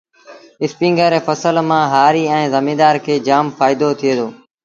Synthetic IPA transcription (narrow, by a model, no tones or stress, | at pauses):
ɪspĩːŋɡəɾeːfəsəlmãːɦaːɾiːɛ̃ːzəmĩːd̪aːɾkʰeːd͡ʒaːmfaːɪd̪ot̪ʰɪeːd̪oː